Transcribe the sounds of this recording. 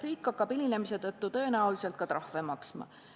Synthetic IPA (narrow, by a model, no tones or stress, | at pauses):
riːkːɑkːˑɑbiline̞mise̞t̪ɤt̪ːut̪ɤ̞e̞næulise̞lt̪̚kɑt̪ɾʔɑhve̞mɑksmɑ̰